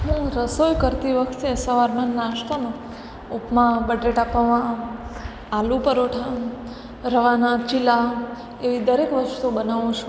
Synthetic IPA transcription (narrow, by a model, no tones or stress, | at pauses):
ɦũɾəsojkəɾt̪iʋəkʰt̪iəsaʋaɾmanːaʃt̪ʰamã | upmãbəɖeʈapaʋã | alũpəɾoʈʰa | ɾəʋanãt͡ʃila | eʋid̪əɾekʋəʃt̪obənaʋũt͡ʃʰũ